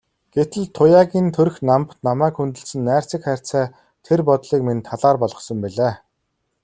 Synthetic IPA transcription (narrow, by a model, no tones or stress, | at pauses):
ɡ̥et̪ɘ̆ɮt̪ʰːʊjaːɣʲiːnt̪ʰɵɾɵ̆xnampnamæːkxunt̪ɵ̆ɮsɘ̆nːæːr̥t͡sə̆kχæːr̥ʲt͡sæː | t̪ʰerpɔt̪ɮiːk̚ment̪ʰːaɮaːrpɔɮʁɞ̆χsɞ̆mpiɮaː